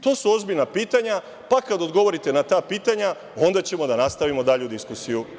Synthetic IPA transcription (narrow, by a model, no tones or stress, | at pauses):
t̪o̞ːsuo̞zbiʎnapiːt̪aɲa | pakad̪o̞d̪ɡo̞ʋo̞ɾit̪e̞nat̪aːpiːt̪aɲa | o̞nd̪at͡ɕe̞mo̞d̪anast̪aʋimo̞d̪aʎeud̪iskusiju